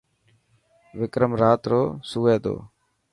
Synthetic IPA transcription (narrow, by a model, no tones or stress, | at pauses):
ʋɪkɾəmɾaːt̪ɾoːsuːʋeːd̪o̰ː